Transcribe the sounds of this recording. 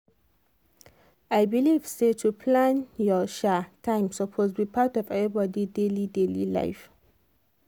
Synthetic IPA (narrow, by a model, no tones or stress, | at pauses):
ajbiliv̥setʰupʰlãnjɔʃatʰãɪ̃msɔpʰozbipʰatɔvɛvibɔdidelidelḭla̰ɪf